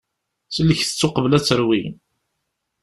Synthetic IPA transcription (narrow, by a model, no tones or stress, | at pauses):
səlːəçθə̥t͡sːʊqəvlæt͡sːəɾwin